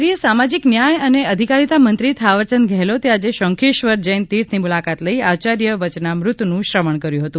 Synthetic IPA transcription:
ɾijəsamad͡ʒiknjajəneəd̪ʱikaɾit̪amənt̪ɾit̪ʰaʋəɾt͡ʃənɡʱeɦlot̪ead͡ʒeʃəŋkʰeʃʋəɾd͡ʒəjnt̪iɾt̪ʰnimulakat̪ləiat͡ʃaɾjəʋət͡ʃnamɾʊt̪ːnũʃɾəməɳkəɾjũɦət̪ũ

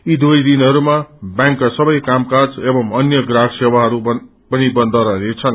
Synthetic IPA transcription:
id̪ujd̪inɦʌɾumabjaŋkːasʌbʌjkamkad͡zebʌmʌnjʌɡraɽsewaɦʌɾu | pʌnibʌnd̪ʱʌɾʌnet͡sʰʌn

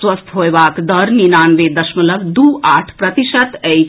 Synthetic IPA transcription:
ʋəst̪ʰɦojbaːkd̪əɾninaːnʋed̪ɐʃmɐləbd̪uʔaʈʰpɾət̪iʃət̪əj

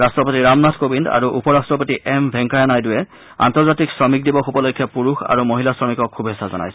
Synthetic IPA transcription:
ɹastɹɔpotiɹamnatʰkobinda̰ɹuʔupɔɹastɹɔpotiʔɛmbʱɛŋkajanajdʊjɛ | a̰ntɔɹzatiksɹɔmikdibɔxubɔlojkʰːapuɹuxa̰ɹumoɦilasɹɔmikɔkʰːubʱɛsazɔ̰na̰jsɛ

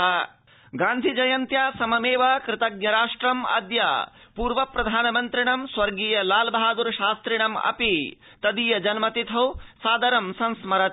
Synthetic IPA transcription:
ɡãːnd̪ʱid͡ʒɐjɐnt̪jaːsɐmɐmeːʋɐkɾɪt̪ɐɡ̚nɐɾaːʂʈɾɐmɐ̰d̪ja̰ː | puːɾʋɐpɾɐd̪ʱaːnɐmɐnt̪ɾiɳɐmswɐɾɡiːjɐlaːlbɐɦaːd̪uɾʃaːst̪ɾiɳɐmɐ̰pi | t̪ɐd̪iːjɐd͡ʒɐnmɐt̪it̪ʰɐwsaːd̪ɐɾɐmsɐ̃nsmɐɾɐt̪

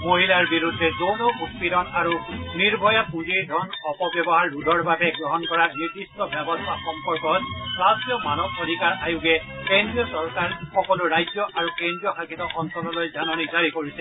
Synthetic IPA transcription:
moɦilaɹbiɹud̪ʱːɛzonobʱukpiɾɔnaɹuniɹbʱɔjapũziɹd̪ʱɔnɔpɔbjɔbɔɦaɹːudʱɔɹbabɛɡɹɔɦɔnkɔɹaniɹd̪istɔbjɔbɔst̪ʰaxɔmpɔɹkɔtslasijɔmanɔbod̪ʱikaɹajuɡɛkendɹijɔsɔɹkaɹxɔkɔlʊɹajd͡ʒjɔʔaɹukẽndɹijɔxakʰit̪ɔʔɔnsɔlɔlojzanɔnizaɹikoɹisɛ

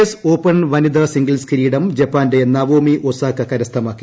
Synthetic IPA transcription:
soːpːɐɳʋɐnid̪rɐsiŋɡɐlskiɾiːɽɐmd͡ʑɐpːaːndenːɐʋoːmiʔosaːkːɐkɐɾɐst̪ʰɐmaːkːi

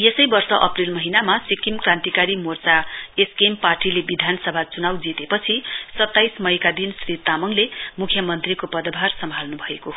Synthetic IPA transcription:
jesʌjbʌrsʌʔʌprilmʌɦinamasikimkrãnt̪ikaɾimort͡saeskemparʈilebid̪ʱanʌsʌbʱat͡sunawd͡zit̪epʌt͡sʰisʌt̪ːajsmʌjkad̪insrit̪amʌŋlemukʰjʌmʌnt̪rikopʌd̪ʌbʱarsʌmbʱalnubʱʌeko

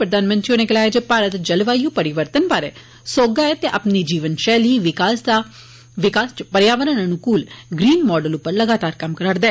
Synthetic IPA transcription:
pɾəd̪aːnmə̃nt̪t͡ʃjoːneːkəlaːed͡ʒepaːɾət̪d͡ʒəlʋaːijũːpəɾɪʋəɾt̪ənbaːɾḛː | soːɡaːɛːt̪eʔa̰pniːd͡ʒiːʋənʃɛːliːʋɪkaːsd̪a | ʋɪkaːst͡ʃpəɾjaːʋəɾãnənukuːlɡɾiːnmɔːɖəlʊpːəɾləɡaːt̪aːɾkɐmkəɾəɾd̪eː

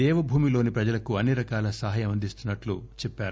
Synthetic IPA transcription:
ɛːʋɐbʱuːmilo̞ːnipɾɐd͡ʒɐlɐkuɐnːiɾɐkaːlɐsɐɦɐːjɐmɐnd̪ʱist̪unːɐʈlut͡ʃɛpːaːɾu

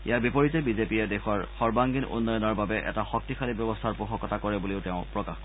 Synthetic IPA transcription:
ḭjaɹbipɔɹitɛbizepiɛdexɔɹxɔɹbaŋɡinṵnːɔjɔnɔɹbabɛʔɛ̰taxɔk̚tixʰalibjɔbɔstʰaɹpuxɔkɔtʰakɔɹɛbuliʊteʊ̃pɹɔkaxkɔ

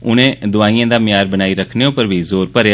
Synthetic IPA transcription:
ʊnẽːd̪ʊaːiːãːd̪aːmɪjaːɾbənaːiːɾəkʰneːõpəɾbʱiːzoːɾpəɾja

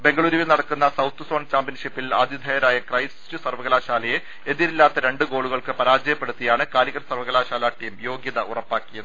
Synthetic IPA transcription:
be̞ŋɡɐɭuːɾiʋinɐɽɐkːunːɐsɐwt̪ːɨso̞ːɳt͡ɕaːmpjɐnʂipːila̰ːd̪ʱjid̪ʱɐjɐɾaːjɐkrɐjsi̥stɨsɐrʋɐɣɐlaːɕaːlɐje | e̞ðiɾilːaːt̪ːɐɾe̞ɳɖɨɡo̞ːɭuɣɐɭkɨpɐɾaːd͡ʑɐjɐpːe̞ɽut̪ːijaːɳɨkaːliɣɐrsɐrʋɐɣɐlaːɕaːlaːʈːiːmjo̞ːɡjɐðɐʔurɐpːaːkːijɐnɨ

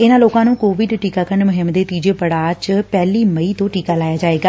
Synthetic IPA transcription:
ɪnãːloːkãːnũːkoːʋɪɖʈiːkaːkəɾnmʊɦɪmd̪eːt̪iːd͡ʒeːpəɽaːt͡ʃpɛːliːməiːt̪õːʈiːkaːlaːjaːd͡ʒaːeːɡaː

